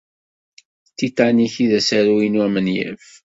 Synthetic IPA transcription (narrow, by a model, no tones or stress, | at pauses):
t̪ːit̪ːaniçiðæsaɾuinwæmənjæ̰f